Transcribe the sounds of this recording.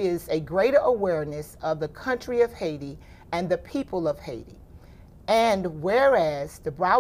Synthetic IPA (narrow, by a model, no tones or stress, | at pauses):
ɪzɨɡɹeɪɾə˞ʔəwɛɹnɨsʌvðɨkʰʌ̃nt͡ʃɹ̥iʌv̥heɪɾi | ɨ̃nðɨpʰipəlˠʌv̥heɪɾḭ | ɨ̃nwɛɹæz̥ðɨbɹaʊ